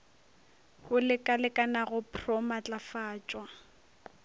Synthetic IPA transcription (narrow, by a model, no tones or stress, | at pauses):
hʊlɪkʼalɪkʼanaɣʊpʰrɔmat͡ɬʼafaːt͡ʃʼwa